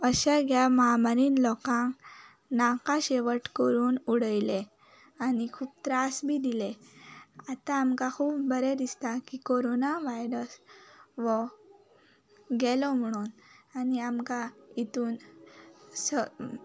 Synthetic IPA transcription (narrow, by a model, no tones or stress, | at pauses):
əɕaɡjaməɦamaɾiːnlɔkãŋk | nãkaɕeʋəʈkəɾuːnuɽəjle | anikʰuːp̚t̪ɾasbʱiːd̪ile | at̪ãːmkakʰuːpbəɾed̪ist̪akikoɾonaʋajɾəsʋɔ | ɡɛlɔm̤əɽ̃uːnaniamkait̪uːn | sə